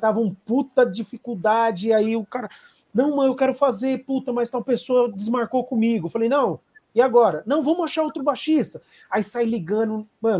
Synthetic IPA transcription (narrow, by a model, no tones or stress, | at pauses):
t̪avɐũput̪ɐd͡ʒifikuwd̪ad͡ʒɪːaiʊkaɾɐ | nɐ̃w̃mɐ̃newkɛɾʊfazeɾput̪ɐmajst̪awpesoɐd͡ʒɪzmaɾkokõmiɡʊfalejnɐ̃w̃ɪaɡɔɾɐnɐ̃w̃vɐ̃mʊaʃaɾowt̪ɾʊbaʃist̪ɐ | aisajliɡɐ̃nʊmɐ̃n